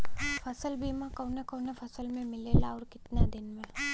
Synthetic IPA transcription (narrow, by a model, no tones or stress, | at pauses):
fʰɐsəlbiːmãkəːnẽkəːnefʰɐsəlmẽmɪlelaɔːɾkɪt̪nad̪ɪnmẽ